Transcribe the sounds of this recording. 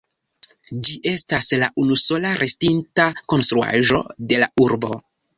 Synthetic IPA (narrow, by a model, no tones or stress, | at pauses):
d͡ʒiʔe̞staslaʔunuso̞laɾʔe̞stintako̞nst̪ɾua̰ʒo̞̰de̞lauɾbo̞